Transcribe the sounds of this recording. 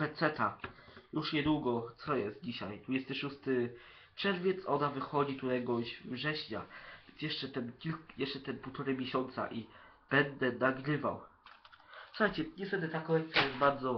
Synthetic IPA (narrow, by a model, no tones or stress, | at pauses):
pɛt̪sɛt̪ajuʂɲɛd̪wuɡɔt̪sɔjɛst̪̚d͡ʑiɕa̰jd̪vud͡ʑɛst̪ɘʂust̪ɘ | pʂɛɾvʲjɛt̪sɔnavɘxɔd͡ʑit̪ut̪ajɡɔɕvʐɛɕɲa̰vʲɛnsjɛʂt͡ʂɛt̪ɛnkʲiljɛʂt͡ʂɛt̪ɛnput̪ɔɾɘmʲjeɕɔnt̪sa̰ʔi | b̥ɛnd̪ɛnaɡɾɘva̰w | suxajt͡ɕɛɲɛst̪ɛd̪ɘt̪akɔlɛk̪̚t̪sʲjajɛs̚baɾd̪zɔ